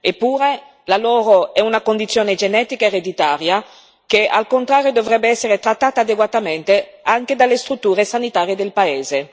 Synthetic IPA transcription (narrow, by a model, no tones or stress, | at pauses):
epːuːɾe | laloːɾoɛunakond̪it̪sjoːned͡ʒenɛːt̪ikaeɾed̪it̪aːɾja | kea̰lkont̪ɾaːɾjod̪ovɾɛbːeɛsːeɾet̪ɾat̪ːaːt̪aːd̪eɡwat̪ament̪eaŋked̪alːest̪ɾut̪ːuːɾesanit̪aːɾjed̪elpaeːze